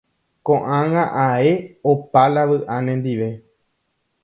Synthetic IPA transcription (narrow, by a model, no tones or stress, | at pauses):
kõʔãŋãʔae̞opalaʋɨʔãnẽnd̪iʋe̞